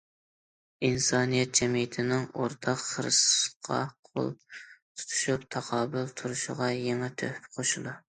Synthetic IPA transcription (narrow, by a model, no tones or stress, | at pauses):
insɑːnijɛt̪̚d͡ʒɛmijɪt̪ʰɪnɪŋo̰ɾt̪ʰɑqχəɾɨ̰sqʰɑ̰qʰo̰lˠt̪ʰu̥t̪ʰu̥ʃupt̪ʰɑqʰɑːbɨlˠt̪ʰuɾuʃɪ̰ʁɑjeŋɛt̪ʰø̰hpqʰoʃulˠu